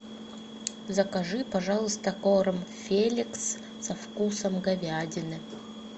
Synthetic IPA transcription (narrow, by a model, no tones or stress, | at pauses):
zɐkaʐɨpɐʐɑlˠəst̪ɐkoɾəmfʲelʲiks | sɐfkusəmɡɐvʲadʲɪnɨ